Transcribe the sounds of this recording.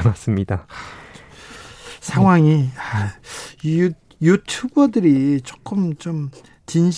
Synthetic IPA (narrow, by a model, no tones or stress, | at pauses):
nas͈ɯmɲida | sʰaŋɦwaŋia | iju | jutʰubʌdɯɾit͡ɕo̥k͈ɯmt͡ɕom | t͡ɕinɕ